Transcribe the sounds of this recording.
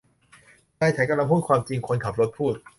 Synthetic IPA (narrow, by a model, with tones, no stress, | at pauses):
taː˧jt͡ɕʰa˩˦ka˧la˧pʰuː˥˩t̪̚kʰwaː˧mt͡ɕi˧ŋkʰo˧nkʰa˨˩p̚ɾo˦˥t̪̚pʰuː˥˩t̪̚